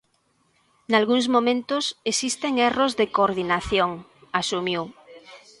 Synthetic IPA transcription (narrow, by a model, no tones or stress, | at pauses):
nalɣuŋzmõmẽnt̪osesist̪eŋerozðekoɾðinaθjoŋasumju